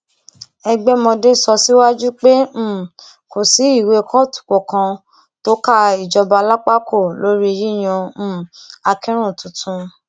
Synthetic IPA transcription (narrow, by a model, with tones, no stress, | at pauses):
ɛ˧ɡ͡bɛ˦mɔ̃˧de˦˨sɔ˧si˦wa˦d͡ʒu˦k͡pẽ˦˨ | ko˨si˨˦i˦˨we˧kʰɔ˦˨tu̥˨kɔ˨kã˧ | to˦ka˦i˨d͡ʒɔ˧ba˧la˦k͡pa˦kʰo˦˨lo˦ɾi˦e˧ɾi˦˨j̃ɔ̃˧˦a˧kɛ˦ɾ̃ũ˦˨tũ˨tũ˧